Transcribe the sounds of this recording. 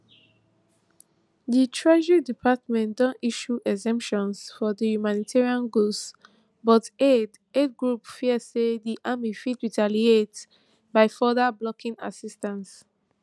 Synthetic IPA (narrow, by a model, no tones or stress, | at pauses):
ditʰɹɛʒidipʰatmɛ̃ndɔ̃ntiʃuʔɛzɛ̃mpʃɔ̃nsfɔdihumanitʰɛɹiãnɡos | bɔted | ed̚ɡɹupfiəsediʔamifitɹitaliet | baɪfɔdablɔkʰĩŋa̰sistãns